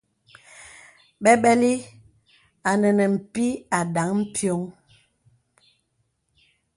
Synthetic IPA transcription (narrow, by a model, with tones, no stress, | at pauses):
ɓɛ˦ɓɛ˦li˦ | a˨nɛ˨nɛ˨m̩˨pi˦a˨da˨˦ŋm̩˦pʰjo˦ŋ